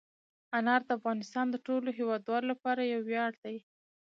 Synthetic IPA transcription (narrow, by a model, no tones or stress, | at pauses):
anɑɾd̪əafɣɑnɪst̪ɑnd̪əʈoloɦewɑd̪wɑlolapɑɾajawːjɑɽd̪̥aj